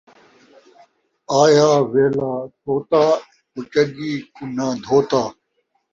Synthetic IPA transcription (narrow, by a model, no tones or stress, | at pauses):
aːjaːʋeːlaːtʰoːt̪aː | pʊt͡ʃəɡiːkʊnãːd̪ʱoːt̪aː